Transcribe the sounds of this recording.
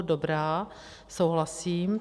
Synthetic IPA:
dobɾaː | sowɦlasiːm

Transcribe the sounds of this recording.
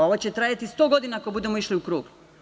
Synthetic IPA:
o̞ʋot͡ɕet̪ɾaːjat̪ist̪o̞ɡo̞d̪inakobud̪emoiʃliukɾuːɡ

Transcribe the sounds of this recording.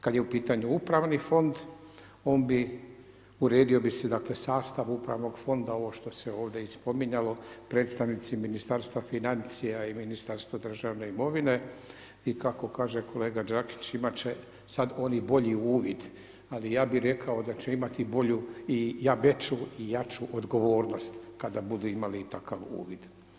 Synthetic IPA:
kad̪je̞upiːt̪aɲuupɾaʋnifo̞nd̪ | o̞ːnbi | uɾe̞ːd̪io̞bised̪akle̞saːst̪aʋupɾa̰ʋno̞ɡfo̞nd̪aoʋo̞ʃt̪o̞seo̞ːʋd̪e̞ispo̞miɲalo̞pɾe̞ːt̪st̪aʋnit̪siminist̪aɾst̪ʋafinant̪sijaiminist̪aɾst̪ʋad̪r̩ʒaʋne̞imo̞ʋine̞ | ikako̞kaːʒekʰo̞le̞ːɡad͡ʒaki̥t͡ʃimat͡ʃe | sad̪o̞nibo̞ʎiuːʋid̪ | alijaːbiɾe̞kʰao̞d̪at͡ʃeimat̪ibo̞ʎuijabet͡ʃuijat͡ʃuʔod̪ɡo̞ʋo̞ːɾno̞st̪kad̪abud̪uimaliːt̪akaʋṵːʋid̪̥

